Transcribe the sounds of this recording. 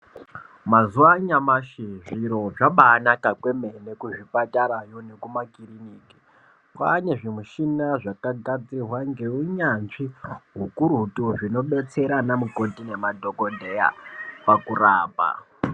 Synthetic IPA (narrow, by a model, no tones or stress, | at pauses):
mazuaɲamaʃiʐiɾoʐaɓaːnakakwe̞me̞nekuʐipataɾajonekumakiriniːki̥ | kwaneʐimuʃinaʐakaɡʱad͡zirwaŋɡe̞uɲanʐiɦukuɾutuʐino̞ɓe̞t͡se̞ɾanamukotine̞madʱo̞kondʱe̞ja̰pakuɾaːpa̰